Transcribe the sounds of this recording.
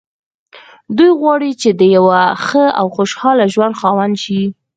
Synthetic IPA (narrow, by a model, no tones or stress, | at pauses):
d̪ujɣwɑɽit͡ʃed̪əjawaxəa̰wxoʃhɑlaʒwand̪xɑwand̪ʃi